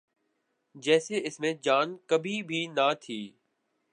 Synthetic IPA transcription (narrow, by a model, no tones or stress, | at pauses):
d͡ʒɛːseɪsmẽd͡ʒaːnkəbʱibʱiːnat̪ʰiː